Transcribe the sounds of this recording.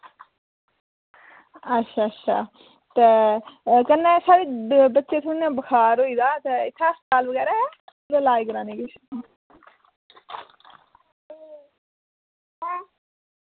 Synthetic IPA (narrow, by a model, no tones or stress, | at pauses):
ətːʃʰaːətːʃʰa̰ː | t̪eːkənːeːsaːɾeːbətːʃet̪ʰʊnaːbəkʰaːɾoːiːd̪aːt̪eɪt̪ʰːaːst̪aːlbəɡɛːɾɛː | ɾelaːiːkəɾãːniːɡɪt͡ʃʰː